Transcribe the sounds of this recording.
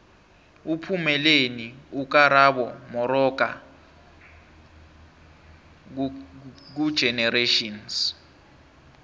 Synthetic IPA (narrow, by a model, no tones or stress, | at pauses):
upʰumɛleniuk̬aɾaɓɔmɔɾɔk̬ʼa̰ | k̬ud̥ʒ̥ʱɛnɛreʃɔns